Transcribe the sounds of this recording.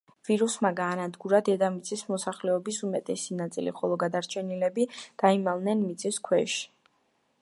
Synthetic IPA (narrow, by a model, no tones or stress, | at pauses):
v̥iɾusmaɡaːnad̪ɡuɾad̪ɛd̪amit̪sʼismɔsaχlɛɔbisumɛt̪ʼɛsinat̪sʼḭlḭχɔlˠɔɡad̪aɾt͡ʃʰɛnilɛbid̪̥aimalnɛnmit̪sʼiskʰwɛʃi̥